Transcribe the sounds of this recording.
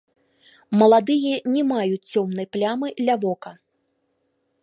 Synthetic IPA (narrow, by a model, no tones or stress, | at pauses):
mɐlˠad̪ɨjɛnʲɛmajut͡sʲt͡sʲɔmnɐjplʲamɨd̪lʲavɔkɐ